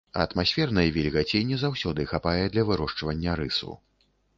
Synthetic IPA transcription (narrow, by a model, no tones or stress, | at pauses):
ɐɐt̪masʲfʲɛrnɐjɛvʲɛlʲɣat͡sʲenʲːɛzawsʲɔd̪ɨxapajɛd̪lʲɐvɨɾɔʂt͡ʂvɐnʲːɐɾɨsṵ